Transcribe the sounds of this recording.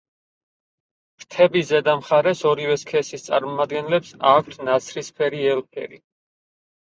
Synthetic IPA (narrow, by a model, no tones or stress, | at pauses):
ɾt̪ʰɛbizɛd̪amχaɾɛsɔɾivɛskʰɛsist̪sʼa̰ɾmɔmad̪ɡɛnlɛpsakʷʰt̪ʰnat̪sʰɾispʰɛɾiɛlpʰɛ̰ɾi